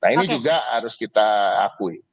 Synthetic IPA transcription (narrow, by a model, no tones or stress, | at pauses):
nainid͡ʒuɡaha̰ɾʊskit̪aa̰kui